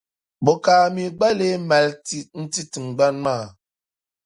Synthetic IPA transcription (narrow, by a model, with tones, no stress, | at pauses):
bo˨ka˨mi˨ɡ͡ba˦le˦mɛ˨lti˦n̩˦ti˦ti˨ŋ˨ɡ͡ba˦nma˦˨